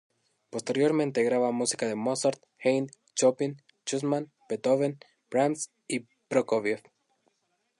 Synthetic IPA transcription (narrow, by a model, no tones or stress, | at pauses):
po̞st̪e̞ɾjo̞ɾmẽ̞nt̪e̞ɣɾaβamusikaðe̞mosaɾt̪ | xejn | t͡ʃopin | t͡ʃusmãn | pet̪oβen | bɾams | i | pɾokoβef